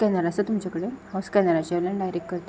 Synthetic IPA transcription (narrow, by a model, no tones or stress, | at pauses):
kɛnaɾasət̪um̤t͡ɕakəɽehawskɛnaɾat͡ɕiaʋlənɖajɾekkːəɾt̪